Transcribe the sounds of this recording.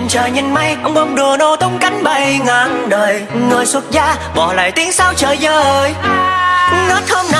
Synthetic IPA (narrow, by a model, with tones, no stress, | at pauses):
nt͡ɕəː˨˩jɲi˧˩nma˧jʔə˧wŋ͡mɓə˧wŋ͡mɗu˨˩əno˧t̪ə˧wŋ͡mka˨˦jŋ̟ɓə˨˩jŋaː˨˦ŋɗəː˨˩jŋɨ˨˩əjswə˦˥t̚zaː˧ | ɓɔ˧˩la̰ː˧˨jt̪i˨˦əŋsaː˧wt͡ɕəː˨˩jzəː˧˩ə˧˩j | nə˦˥t̚hə˧mna˧